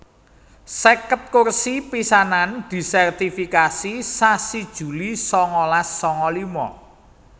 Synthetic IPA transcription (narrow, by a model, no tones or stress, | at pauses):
sɛkət̪̚kursipisanand̪̥i̤sɛrt̪ifikasisasid̥ʒ̥ṳlisɔŋɔlasːɔŋɔlimɔ